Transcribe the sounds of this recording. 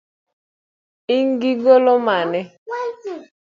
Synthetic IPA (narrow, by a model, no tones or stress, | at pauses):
iŋɡiɡolomanɛ